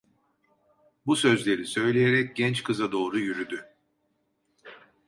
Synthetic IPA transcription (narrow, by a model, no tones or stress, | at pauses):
busø̞zlʲe̞ɾisø̞jlʲejeɾɛc̚ɟɛnt͡ʃkʰɯzad̪o̞ːɾujyɾyd̪y